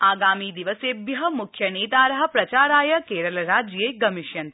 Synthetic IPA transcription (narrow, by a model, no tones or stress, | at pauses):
aːɡaːmiːd̪iʋəseːbjɐɦɐmʊkʰːjɐneːt̪aːɾɐɦɐ̆pɾɐt͡ʃaːɾaːjɐkeːɾəlɾaːd͡ʒjeɡɐmɪʃjɐn